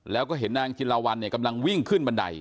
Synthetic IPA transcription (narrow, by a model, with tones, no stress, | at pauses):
lɛː˦˥wkɔː˥˩ɦe˩˦nːaː˧ŋt̪ʰiː˧laː˧wa˧nːi˥˩ɐka˧mla˧ŋwi˥˩ŋkʰɯ˥˩nba˧nda̰˧j